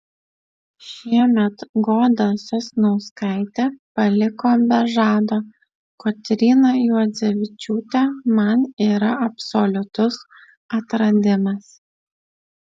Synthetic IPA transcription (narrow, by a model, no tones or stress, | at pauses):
ʃʲiɛmʲɛt̪ɡoːd̪ɐsʲʊsʲnɐʊskɐɪt̪ʲeːpɐlʲɪkoːbʲɛʒɑːd̪oː | kot̪ʲɾʲiːnojuɔd̪zʲɛʋʲɪt͡ʃʲuːt̪ʲɛmɐniːɾɐɐpʲsɔlʲʊt̪ʊs | ɐt̪ɾɐd̪ʲɪmɐs